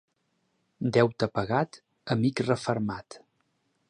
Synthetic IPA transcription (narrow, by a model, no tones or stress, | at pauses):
d̪ɛwt̪əpəɣat̪ | əmikrəfəɾmat̪